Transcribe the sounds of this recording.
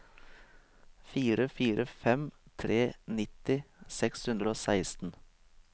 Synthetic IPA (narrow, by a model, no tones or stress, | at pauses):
fiːɾəfiːɾʔəfɛmt̪ʰɾeːnɪt̪ɪsɛkshʉnd̪ɾəoːsæɪst̪n̩